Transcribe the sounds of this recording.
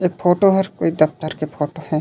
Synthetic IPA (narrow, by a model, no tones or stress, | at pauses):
epʰoːʈoɦɐɾkoːid̪ɐp̚t̪əɾkepʰoːʈohɛ̃ː